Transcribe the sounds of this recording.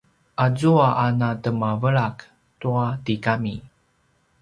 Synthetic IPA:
ʔazuaʔanatəmavəɭak | tuatikami

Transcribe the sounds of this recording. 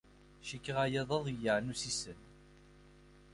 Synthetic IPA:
ʃikːəʁajæðˤɑðˤijaʕnusisən

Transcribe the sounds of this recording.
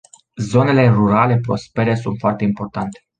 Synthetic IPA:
zo̞ne̞le̞ruɾale̞pɾo̞̰spe̞ɾe̞sunt̪foart̪eimpo̞rt̪ant̪e̞̥

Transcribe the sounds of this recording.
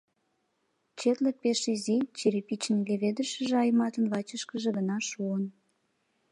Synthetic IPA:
t͡ɕet̪lepeʃizit͡ɕeɾepit͡ɕənleβed̪əʃə̆ʒeɑjmɑt̪ənvɑt͡ɕəʃkəʒĕɣənɑʃuən

